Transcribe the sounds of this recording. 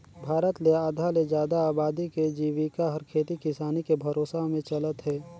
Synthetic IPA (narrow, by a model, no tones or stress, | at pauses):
bʱaːɾət̪leaːd̪ʱaled͡ʒjaːd̪aaːbaːd̪iked͡ʒiːʋikaɦɐɾkʰeːt̪ikɪsaːnikebʱɐɾoːsaɦmẽt͡ʃɐlət̪ɦɛː